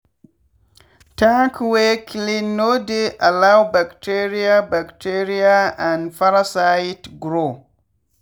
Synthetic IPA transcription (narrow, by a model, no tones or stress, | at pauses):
takweklinːodeʔalawbaktʰeɾiabaktʰeɾiaãnfaɾasaitɡɾo